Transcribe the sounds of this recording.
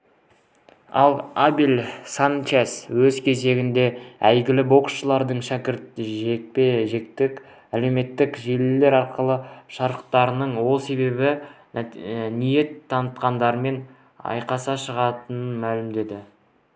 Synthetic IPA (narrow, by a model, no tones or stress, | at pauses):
ɑ̰lˠabilʲsant͡ʃeswɵzkʲʰe̞ze̞ɡʲɪnd̪e̞æjɡʲɪlɪbo̞ksʃəlˠɑɾd̪əɴʃækʲɪɾt̪̚ʒekpeʒek̚t̪ɪk | æle̞wme̞t̪ːɪkʒe̞lɪle̞ɾɑɾqəlˠəʃɑɾəqt̪ɑɾənəɴwo̞lˠse̞βe̞bɪ | nije̞t̪ʰːɑnət̪qɑnd̪ɑɾəme̞n | ɑ̰jqɑsɑʃəʁɑt̪ənənmælɪmd̪e̞d̪ɪ